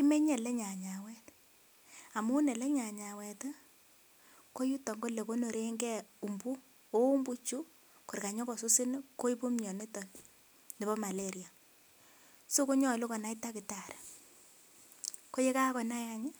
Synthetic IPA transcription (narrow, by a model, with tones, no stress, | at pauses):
ki˦me˦ɲɛ˨lɛ˦ɲa˨ɲa˨wɛ˦t | a˨mu˦nɛ˨lɛ˦ɲa˨ɲa˨wɛ˨t | ko˦ju˦tɔ˨ŋɡo˦le˨ko˦no˨ɾe˦ŋɡɛ˦u˨mbu˦ | o˦u˦mbu˦t͡ʃu˦ | ko˨ɾka˨ɲɔ˦kɔ˨su˦si˦nko˦i˦pu˦mɲɔ˨ni˦tɔ˨n | ni˨bɔ˦ma˨le˦ɾja˨ | so˦ku˦ɲɔ˨lu˦kɔ˨na˦ita˦kɪ˨ta˨ɾe˨ | ko˦je˦ka˦kɔ˨na˦ja˦ɲa˦